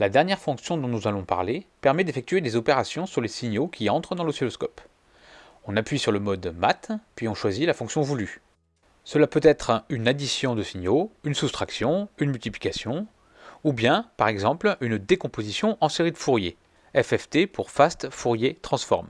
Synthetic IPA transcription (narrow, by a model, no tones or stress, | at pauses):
lad̪ɛʁnjɛʁfɔ̃ksjɔ̃d̪ɔ̃nuzalɔ̃pa̰ʁlepɛʁmɛd̪efɛk̚t̪ɥed̪ezɔpeʁasjɔ̃syʁlesiɲokʲʰiɑ̃t̪χəd̪ɑ̃ləsilɔskɔp | ɔ̃napɥisyʁləmɔd̪mat̪pɥiɔ̃ʃwazilafɔ̃ksjɔ̃vuly | səlapøt̪ɛt̪χynad̪isjɔ̃d̪əsiɲjoynsust̪χaksjɔ̃ynmylt̪ipli̥kasjɔ̃ | ubjɛ̃paʁɛɡzɑ̃plynd̪ekɔ̃pozisjɔ̃ʔɑ̃seʁid̪əfuʁje | ɛfɛft̪epuʁfast̪fuʁjet̪χɑ̃sfɔ̰ʁm